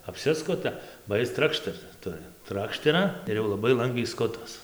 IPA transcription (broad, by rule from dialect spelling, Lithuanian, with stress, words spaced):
ɐpʲˈsʲɪskʊtɐ bɐ ˈjɪs ˈtrɑːkʃʲtʲɛrt ˈtʊrʲɪ ˈtrɑːkʃʲtʲɛrɐ ɪr jɛʊ lˠɐˈbɐɪ ˈlˠɐŋɡʋʲɛɪ ˈskʊtɐs